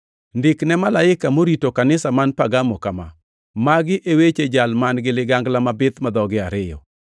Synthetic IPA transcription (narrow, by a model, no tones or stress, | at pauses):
ndɪknɛmalaɪkamoɾitokanɪsamanpaɡamɔkama̰ | maɡɪʔewet͡ʃed͡ʒalmanɡɪlɪɡaŋɡlamabɪt̪mad̪ɔɡɪaɾɪjɔ̰